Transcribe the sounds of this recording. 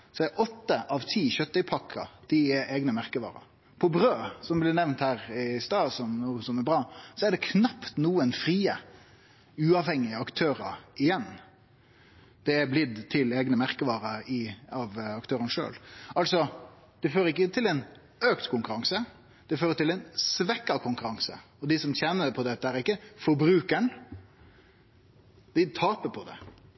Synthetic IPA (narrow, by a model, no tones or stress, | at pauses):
sɔɛɾʔɔt̪ːəʔɑʋt̪ʰiːçœt̪ːɪpʰɑkʰːɑ̰d̪̥ɪɛʔeːɡnəmæʁkəʋɑ̰ːɾə̰ | pʰɔbɾøːsɔmblɪɾnɛʋnt̪hæːɾɪst̪ɑːsɔmɔsɔmɛbʁɑːsɔɛd̪ɛkʰnɑpt̪nuːənfɾiːə | ʉːɑʋhɛŋːɪəɑkt̪ʰøːɾəɪjɛnː | d̪̥ɛæɾblɪd̪t̪ʰɪleːɡnəmæɾkəʋɑːɾəɾɪɑʋɑkt̪ʰøːɾənʂø̰ːlɑlsɔ | d̪̥ɛføːɾəɾɪk̬ːət̪ʰɪlɛn | øːkt̪kʰʊŋkʉɾɑŋsə | d̪̥ɛføːɾət̪ɪlɛnsʋɛkːɑʋkʰʊŋkʉɾɑŋsə̰ | ɔd̪ɪsɔmçɛnːəpʰɔd̪ɛt̪ːəæɾɪkːəfɔɾbɾʉːkəɳ | d̪̥ɪt̪ʰɑːpəpʰɔd̪ɛ̰